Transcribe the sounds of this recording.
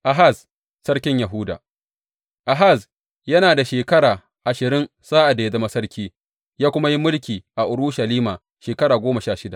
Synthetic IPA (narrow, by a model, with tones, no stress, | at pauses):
ʔa˨ɦa˦˨s | sɐ˦ɽkʲɪ˦ɲja˨ɦʊ˦da̰ː˨ | ʔa˨ɦa˦˨s | jɐ˦naː˨da˨ʃeː˨kɐ˦ɽaː˨ | ʔa˨ʃɪ˨ɾɪ˦n | saː˦ʔa˨da˨je˦da˦mɐ˦sɐ˦rkʲʰiː˦ | jaː˦kʷʊ˦ma˦ji˦mʊ˦lkʲiː˨ʔa˨ʔʊ˨ɾʊ˦ʃɐ˨liː˦maː˨ | ʃeː˨kɐ˦ɽaː˨ɡʷoː˦mɐ˨ʃaː˦ʃɪ˦da̰˨ʔ